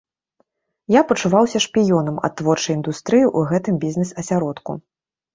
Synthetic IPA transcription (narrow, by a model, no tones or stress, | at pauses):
japɐt͡ʂuvawsʲɐʂpʲijɔnɐmɐ̰t̪ːvɔrt͡ʂɐjind̪ust̪ɾɨjiʔuɣɛt̪ɨmbʲizʲnɛsɐsʲaɾɔt̪kṵ